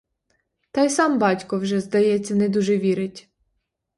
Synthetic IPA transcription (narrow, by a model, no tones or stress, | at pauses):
t̪ɑjsɑmbɑtʲkɔwʒɛzd̪ɐjɛt͡sʲːɐnɛd̪uʒɛʋʲiɾɪtʲ